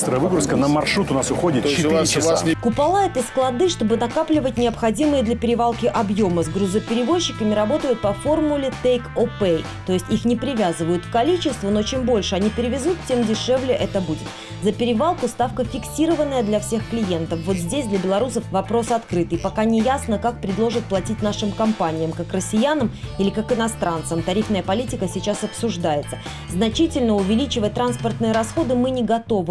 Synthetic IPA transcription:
st̪ɾəjəvɨɡɾʊskənəmɐrʂɾut̪ʊnasʊxodʲɪt̪ɪt̪kʊpɐlˠaɛt̪əsklˠɐd̪ɨʂt̪o̞bɨnɐkaplʲɪvət̚ʲnʲɪɐpxɐdʲimɨjəd̪lʲɐpʲɪɾʲɪvalˠkʲɪʔɐbjo̞məzɡɾʊzəpʲɪɾʲɪvo̞ɕːɪkəmʲɪɾɐbo̞t̪əjʊt̪̚pɐfo̞rmʊlʲɪt̪ejkopej | t̪o̞jɪsʲtʲixnʲɪpʲɾʲɪvʲazɨvəjʊt̪fkɐlʲit͡ɕɪst̪vəno̞t͡ɕembo̞lʲʂɨɐnʲipʲɪɾʲɪvʲɪzut̪̚tʲːe̞mdʲɪʂɛvlʲɪʔɛt̪əbudʲɪt̪ | zəpʲɪɾʲɪvalˠkʊst̪afkəfʲɪksʲiɾəvənːəjəd̪lʲɐfsʲe̞xklʲɪje̞nt̪əfvo̞t̪zʲdʲesʲd̪lʲɐbʲɪlˠɐɾusəfvɐpɾo̞sɐt̪kɾɨt̪ɨpɐkanʲɪjasnəkak̚pɾʲɪd̪lˠoʐɨt̪̚plˠɐtʲitʲnaʂɨmkɐmpanʲɪjəmkakrəsʲːɪjanəmilʲɪkakɨnɐst̪ɾant̪səmt̪ɐɾʲifnəjəpɐlʲitʲɪkəsʲɪt͡ɕasɐpsʊʐd̪ajɪt̪sə | znɐt͡ɕitʲɪlʲnəʊvʲɪlʲit͡ɕɪvət̚ʲt̪ɾanspərt̪nɨjəɾɐsxo̞d̪ɨmɨnʲɪɡɐt̪o̞vɨ

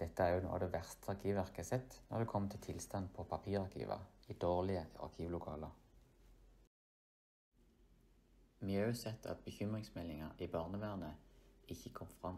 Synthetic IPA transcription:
d̪̥ɛt̪əæʁjʊno̰ːd̪eːʋæʁst̪ʰəɑʁkʰiːʋʋæʁkəsɛt̪nɔ̰ʁd̪ʉːkʰɔmːət̪ʰɪlt̪ʰɪlst̪ɑnpʰoːpʰɑpʰiːʁɑʁkʰḭːʋɑ̰iːd̪oːʁlɪəɑ̰ʁkʰiːʋlʊkʰɑ̰ːləʁ | mɪøʉsɛt̪ʰɑ̰t̪̚bəçʏmʁɪŋsmɛlɪŋɑiːbɑːʁnəʋæːʁnəɪçəkʰɔmfʁɑm

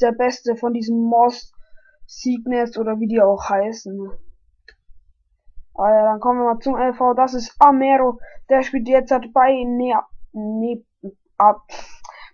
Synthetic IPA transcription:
d̥eːɐbɛstəfɔndiːzəmːɔst | z̥iːɡnəsʔoːɾɐviːdiːaʊxhaɪsn̩ | ʔajaːdankʰɔmənviːɐmaːlt͡sʊmɛlfaʊdasɪstʔamɛːʁod̥eːɐʃpiːltd̥eːɐt͡saɪtb̥aɪn | ne | ʔa

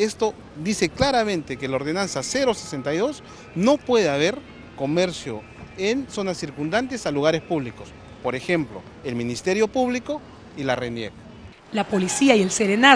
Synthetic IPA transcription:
est̪o̞ | ðiseklaɾamẽ̞nt̪ekelaoɾðe̞nansase̞ɾosese̞nt̪ajðo̞s | no̞pwe̞ðeaβ̞e̞ɾ | ko̞me̞ɾsjo̞ | enso̞nasːiɾkund̪ant̪e̞saluɣaɾespuβliko̞s | po̞ɾe̞xe̞mplo̞̰ | elmĩnist̪e̞ɾjo̞puβliko̞ | ilarenjek | lapolisiaielseɾena

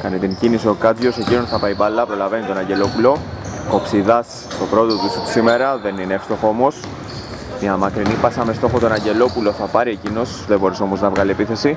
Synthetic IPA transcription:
kɐnet̪iɲcinisiokɐt͡sʝo̞se̞cino̞nθɐpɐipɐlːɐpɾo̞lɐve̞nit̪o̞nɐɲɟe̞lo̞pulo̞ko̞psiðɐs | t̪opɾo̞t̪o̞t̪usu̥sime̞ɾɐðe̞nineefst̪o̞xomo̞s | mɐmɐkɾinipɐsɐme̞st̪o̞xot̪o̞nɐɲɟe̞lo̞pulo̞θɐpɐɾiecino̞sðebo̞ɾiso̞mo̞znɐvɣɐliepiθe̞si

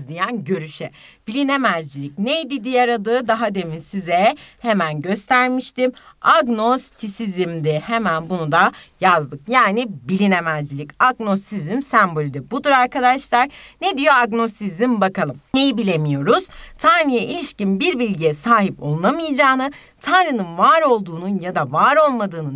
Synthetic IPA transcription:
zd̪ʲijænɟø̞ɾyʃɛb̥ilʲine̞mæzd͡ʒilʲicnejd̪id̪ijaɾad̪ɯːd̪aɦad̪e̞misizɛhemænɟø̞st̪ʰæɾmiʃt̪imaɡno̞st̪ʰisizimd̪ɛhe̞mænbunud̪ajazd̪ɯkjaːnibilʲinemæzd͡ʒilʲicaɡno̞st̪izimsæmbo̞lʲyd̪ɛbud̪uɾaɾkad̪aʃlˠaɾ̥ned̪ijo̞aɡno̞st̪izimbakalˠɯmnejibilʲe̞mijo̞ɾuz̥t̪ʰaɾnɯjaʔilʲiʃcimbiɾbilʲɟijɛsaːɦipo̞̰lˠunamɯjd͡ʒaːnɯ | t̪ʰanɾɯnɯnvaːɾo̞lˠd̪uːnunjad̪avaːɾo̞lˠmad̪ɯːnɯ

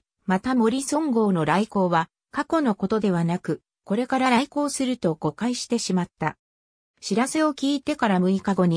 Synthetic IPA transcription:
mat̪amo̞ɾʲisõ̞ŋɡo̞ːno̞ɾaiko̞ːβa | kako̞no̞ko̞t̪o̞d̪e̞β̞anakɯ̟ | ko̞ɾe̞kaɾaɾaiko̞ːsɨɾɯ̟t̪o̞ɡ̥o̞kaiɕi̥t̪e̞ɕimat̪ːa | ɕiɾase̞o̞kʲiːt̪e̞kaɾamɯ̟ikaɡo̞ɲ̟i

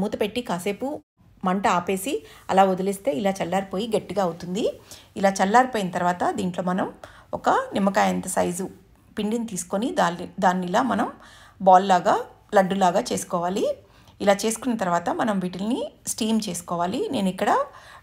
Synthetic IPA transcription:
muːt̪ɐpe̞ʈːikaːse̞ːpu | mɐɳʈɐaːpe̞ːsiɐ̰laːod̪ɐlist̪e̞ːilaːt͡ʃɐlːaːɾipo̞ːjiɡeʈːiɡaːɐwut̪und̪iilaːt͡ʃɐlːaːɾipoːjinɐt̪ɐɾʋaːt̪ɐd̪iːɳʈloːmɐnɐmɔkɐnimːɐkaːjɐnt̪ɐsɐjzu | piɳɖinit̪iːsu̥ko̞nid̪ad̪aːnːiilaːmɐnɐmbaːllaːɡaː | lɐɖːulaːɡaːt͡ʃe̞ːsu̥kɔːʋaːli | ilaːt͡ʃe̞ːsu̥kunːɐt̪ɐɾʋaːt̪ɐmɐnɐmʋiːʈilnisʈiːmt͡ʃe̞ːsu̥kɔːʋaːline̞ːnuikːɐɽɐ

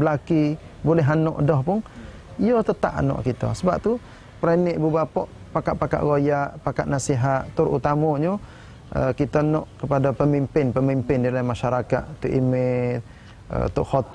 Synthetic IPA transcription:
bəlaki | bolɛɦanɔʔdɔhpʊŋ | ijɔt̪ət̪a̰ʔa̰nɔ̰ʔkit̪ɔ̰səba̰p̚t̪u | pəɾanɪʔbubapɔʔ | paka̰ʔ̚paka̰ʔɣojaʔpakaʔ̪̚nasiɦaʔt̪ʊɾṵt̪amɔɲu | ə̰kit̪ɔnɔʔkəpadapəmimpɪnpəmimpɪndilamaʃaɾaka̰ʔ̪t̪uʔimɪ | ə̰t̪uʔhɔt̪

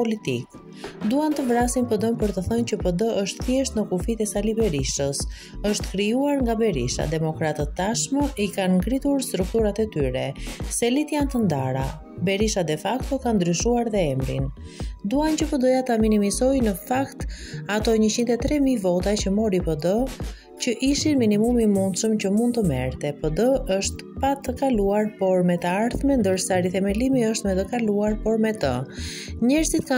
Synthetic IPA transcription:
pɔlit̪ik | d̪uant̪əvɾasinpəd̪ɔnpəɾt̪əθəncəpəd̪əʔəʃt̪θjɛʃt̪nəkufit̪ɛsalibɛɾiʃt̪əs | əʃt̪kɾijuaɾŋɡabɛɾḭʃa̰d̪ɛmɔkɾat̪ət̪ːaʃməʔikanɡɾit̪uɾst̪ɾuk̚t̪uɾat̪ɛt̪yɾɛsɛlit̪jant̪ənd̪aɾa̰ | bɛɾiʃad̪ɛfakt̪ɔkand̪ɾyʃuaɾðɛɛmɾḭn | d̪uancəpəd̪ɔjat̪aminimizɔjnəfakt̪at̪ɔɲət͡ɕint̪ɛt̪ɾɛmivɔt̪acəmɔɾipɔd̪ɔ | cəʔiʃinminimumimund̪ʃəmt͡ɕəmund̪̚t̪əmɛ̰ɾt̪ɛpəd̪əəʃt̪pat̪əkaluaɾpɔɾmɛt̪əaɾθmɛnd̪əɾsaɾiθɛmɛlimiəʃt̪mɛt̪əkaluaɾpɔɾmɛt̪ə̰ɲɛɾzit̪ka

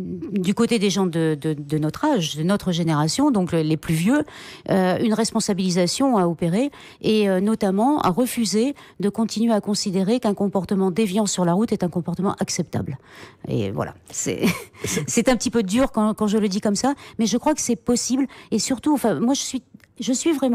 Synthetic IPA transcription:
d̪ykot̪ed̪eʒɑ̃d̪əd̪əd̪ənɔt̪χaʒd̪ənɔt̪χəʒeneʁasjɔ̃d̪ɔ̃klleplyvjøøynʁɛspɔ̃sabilizasjɔ̃aɔpeʁeː | ønɔt̪amɑ̃a̰ʁəfyzed̪əkɔ̃t̪inɥeakɔ̃sid̪eʁekɛ̃kɔ̃pɔʁt̪əmɑ̃d̪evjɑ̃syʁlaʁut̪ɛt̪ɛ̃kɔ̃pɔʁt̪əmɑ̃ʔaksɛp̚t̪a̰blḛvwa̰la̰sɛ̰sɛt̪ɛ̃pət̪ipød̪yʁkɑ̃kɑ̃ʒələd̪ikɔmsamɛʒəkχwakə̥sɛpɔsiblesyʁt̪uɑ̃fɛ̃mwaʒəsɥi | ʒəsɥivʁɛm̃

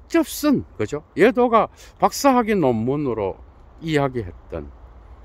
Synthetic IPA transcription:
t͡ɕ͈ʌp̚s͈ɯnkɯd͡ʑojedoɡapak̚s͈aɦaɡinomːunɯɾo̰ | iɦaɡiɦe̞t̚t͈ɯ̰n

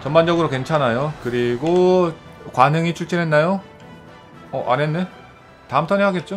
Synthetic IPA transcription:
t͡ɕʌnband͡ʑʌɡɯɾoke̞nt͡ɕʰanajokɯɾiɡo | kwanɯŋit͡ɕʰuɭt͡ɕ͈ʰinɦe̞nːajo | ʌʔa̰nenːe̞ | taɯmtʰʌneɦaɡe̞t̚t͡ɕ͈o

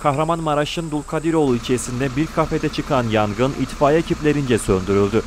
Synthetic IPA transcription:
kʰahɾamanmaɾaʃɯnd̪ulˠkʰad̪iɾo̞lˠuit͡ʃʰe̞ɾisind̪ɛbiɾkʰafed̪ɛt͡ʃʰɯkʰanjaŋɡɯnit̪faːjaecʰiplʲe̞ɾind͡ʒɛsønd̪yɾylʲd̪y

